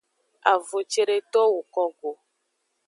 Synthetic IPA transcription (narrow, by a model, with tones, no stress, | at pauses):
a˨vo˨t͡ʃe˦ɾe˦t̪ɔ˦wo˨kɔ˦ɡo˨